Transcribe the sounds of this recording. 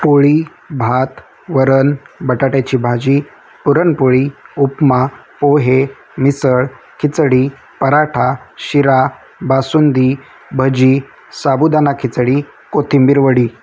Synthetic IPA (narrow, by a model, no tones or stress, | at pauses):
poɭiː | bʱat̪ | ʋəɾənbəʈaʈat͡ɕiːbʱad͡ʑiː | puɾənpoɭiupmapoɦe | misəɭ | kʰit͡sɽiː | pəɾaʈʰaɕiɾa | basund̪i | bʱəd͡ʑiː | sabud̪anakʰit͡sɽi | kot̪ʰimbiɾʋəɽiː